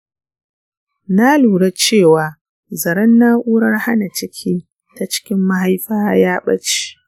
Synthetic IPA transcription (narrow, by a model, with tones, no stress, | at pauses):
na˦luː˨ɽɐ˦t͡ʃeː˦˨waː˨ | zɐ˨ɾɐ˦nːaː˦ʔuː˦ɽɐ˦rha˦na˨t͡ʃɪ˦kʲʰiː˦ | ta˨t͡ʃɪ̥˦kʲɪ˦mːa˦ɦa˦jɸaː˦jaː˦ɓɐ˦t͡ʃi̥˦